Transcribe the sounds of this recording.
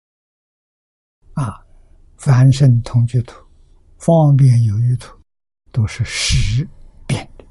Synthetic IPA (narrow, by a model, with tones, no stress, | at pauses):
a˥˧˩ | fa˧˥nʂə˥˩nt̪ʰʊ˧˥ŋt͡ɕy˥˧t̪ʰu̥˨˧˥ | fɑ˥ŋp̬jɛ˥˩njo˨˩ʊy˥˩t̪ʰu̥˨˧˩ | t̪o˥ʊʂɻ̩˥˩ʂɻ̩˧˥pjɛ˥˩nd̪ə˩